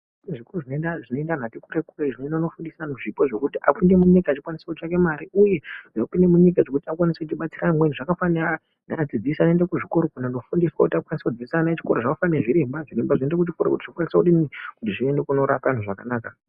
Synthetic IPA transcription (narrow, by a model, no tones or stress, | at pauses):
ʐikoruʐinoendaʐino̞endan̤atikuɾekureʐinondanofundisanoʐipoʐo̞kutiʔa̰kunde̞muɲikaːt͡ʃikwanisakut͡ʃake̞maɾiuje̞ʐapinde̞muɲik̬aʐo̞kutiakwanisekut͡ʃiɓat͡siramweniʐakafana | nad͡zid͡zisanendekuʐikoɾokunano̞fundiswakutiakwanisekud͡ziisanat͡ʃi̥koɾoʐaufaneʐiɾembaʐiɾembaʐinendekut͡ʃikoɾokutiʐokwanisakuɗinikutiʐiende̞kuno̞ɾapan̤uʐakanaːka